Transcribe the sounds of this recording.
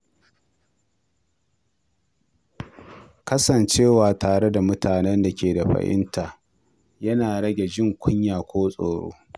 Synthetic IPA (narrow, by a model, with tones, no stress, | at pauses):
kɐ˦sɐ˨nt͡ʃeː˦˨waː˨taː˨ɽe˦da˨mʊ˦taː˨nɛ˦nda˨kʲeː˨da˨ɸɐ̰˨ʔɪ̰˦ntʰaː˨ | jɐ˦naː˨ɽɐ˦ɡʲe˨d͡ʒɪ˦ŋkʷʊ˦ɲjaː˨kʷoː˦sʼo̰ː˨ɽo̰ː˦